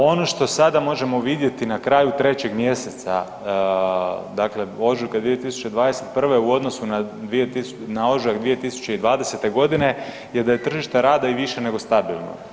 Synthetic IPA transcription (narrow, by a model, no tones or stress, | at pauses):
o̞no̞ʃt̪o̞sad̪amo̞ʒe̞mo̞ʋid̪je̞t̪inakɾaːjut̪ɾe̞t͡ɕe̞ɡmje̞se̞t̪sa̰ | d̪akle̞o̞ʒukad̪ʋiet̪isu̥t͡ɕe̞d̪ʋaːd̪e̞se̞t̪̚pr̩ʋe̞uo̞d̪no̞sunad̪ʋiet̪is | nao̞ʒaɣd̪ʋije̞t̪isu̥t͡ɕe̞id̪ʋaːd̪ese̞t̪e̞ɡo̞d̪ine̞ | je̞d̪aje̞t̪r̩ʒiʃt̪eɾaːd̪aiʋiʃe̞ne̞ɡo̞st̪abilˠno̰